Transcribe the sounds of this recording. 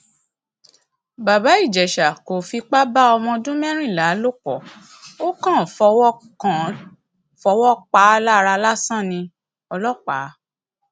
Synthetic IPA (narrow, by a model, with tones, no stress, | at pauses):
ba˨ba˨˦i˦˨d͡ʒɛ˨ʃa˨ko˨fi˧k͡pa˦ba˦ɔ˧mɔ̃˧dũ˦mɛ̃˦ɾ̃ĩ˦˨la˨˦lo˦˨k͡pɔ˨ | o˦kã˦˨fɔ˧wɔ˦ | ã˨ | fɔ˧˦wɔ˦k͡pa˨˦la˦˧ɾa˧la˦sã˦˨nĩ˧ | ɔ˧lɔ˦˨k͡pa˨˦